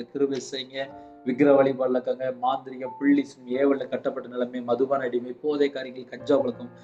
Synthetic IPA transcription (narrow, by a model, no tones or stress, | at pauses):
ɐkɪɾɯʋesɛːŋɡɐ | ʋɪkɪɾɐʋɐɭipɐɾɐlɐkːaːŋɡɐmaːnd̪ɪɾɪjɐmpɪɭːɪsɯmeːʋɐɭːɐkɐʈːɐpːɐʈːɯnɛlɐmeːmɐðɯʋaːnɐɪɽɪjmɪpːoːðeːkaːɾɪŋɐlkɐɲd͡ʒaːmɐɭɯkːɯm